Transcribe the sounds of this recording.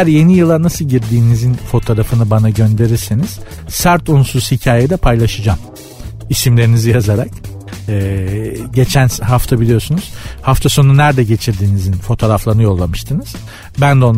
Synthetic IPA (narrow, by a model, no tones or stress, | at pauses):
æɾje̞nijɯlˠanasɯlˠɟiɾd̪iːnizinfo̞t̪ʰo̞ːɾafɯnɯbanaɟønd̪e̞ɾiɾseniz̥ | sæɾt̪unsuz̥hicʰaːjed̪ɛpʰajlˠaʃɯd͡ʒaːm | isimlʲe̞ɾinizijazaɾak̚ | ɛːɟe̞t͡ʃʰænhaft̪ʰabilʲijo̞ɾsunuz̥haft̪ʰaso̞nunæɾd̪ɛɟe̞t͡ʃʰiɾd̪iːnizinfo̞t̪ʰo̞ːɾaflˠaɾɯnɯjo̞lˠːamɯʃt̪ʰɯnɯz̥ | bænd̪ɛon